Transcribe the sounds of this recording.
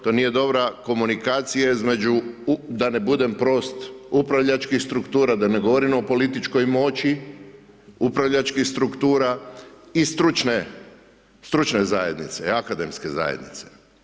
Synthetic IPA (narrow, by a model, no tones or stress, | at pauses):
t̪o̞nije̞d̪o̞bɾako̞munikaːt̪sijaizme̞d͡ʒud̪ane̞bud̪e̞mpɾo̞st̪upɾaʋʎat͡ʃkixst̪ɾukt̪uːɾad̪aneɡo̞ʋo̞ɾimopo̞lit̪it͡ʃko̞jmo̞t͡ʃi | upɾaʋʎat͡ʃkixst̪ɾukt̪uːɾaist̪ɾut͡ʃne | st̪ɾut͡ʃnezaje̞d̪nḭt̪seakad̪e̞mske̞za̰jed̪nḭt̪se̥